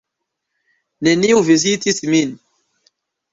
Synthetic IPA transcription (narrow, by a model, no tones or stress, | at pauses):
neniuvizitismin